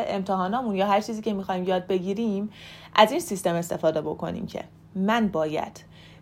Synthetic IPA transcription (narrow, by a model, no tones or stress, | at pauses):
ʔemt̪ʰehɒːnɒːmunjɒːɦæɾt͡ʃʰiːziːcʰe̞mixɒːhimjɒːd̪̚be̞ɟiːɾiːm | ʔæziːnsist̪e̞me̞st̪e̞fɒːd̪e̞bo̞kʰo̞̰nḭːmcʰḛ | mænbɒːjæ̰d̪̥